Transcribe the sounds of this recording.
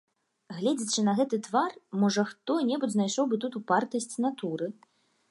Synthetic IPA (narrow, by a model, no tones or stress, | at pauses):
ɣlʲɛd͡zʲit͡ʂɨnɐɣɛt̪ɨt̪varmɔʐɐxt̪ɔnʲɛbud͡zʲznajʂɔwbɨt̪ut̪upart̪ɐsʲt͡sʲnat̪uɾɨ